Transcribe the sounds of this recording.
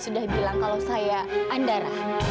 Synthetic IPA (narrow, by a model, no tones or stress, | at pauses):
sudahbilaŋkalawsajaʔːndaɾah